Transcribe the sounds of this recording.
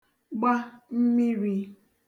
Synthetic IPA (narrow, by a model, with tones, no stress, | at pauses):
ɡ͡ba˦m̩˦mi˦ɾi˨